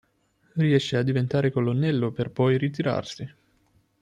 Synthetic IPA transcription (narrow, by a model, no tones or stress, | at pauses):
riɛʃːead̪ːivent̪aːɾekolonːɛlːoperpɔjrit̪̬iɾa̰rsi